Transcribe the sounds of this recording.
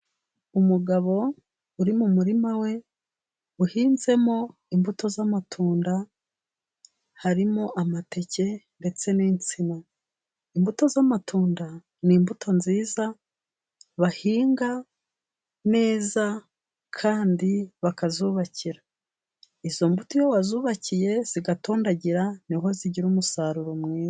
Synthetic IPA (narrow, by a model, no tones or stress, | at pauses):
umuɡaβo̞ | uɾimumuɾimawe̞ | uhiːnze̞mo̞ | imbuto̞zamatʰuːnda | haɾimoʔamate̞ce̞nde̞t͡se̞niːnt͡sina | imbuto̞zamatʰuːnda | niːmbutʰo̞nziːza | βahiːŋɡa | ne̞ːza | kʰaːndiβakazuβaciɾa | izo̞mbutojowazuːβacije̞z̥iɡatoːndaɟiɾaniɦo̞ziɟiɾuːmusaɾuɾo̞mŋiːza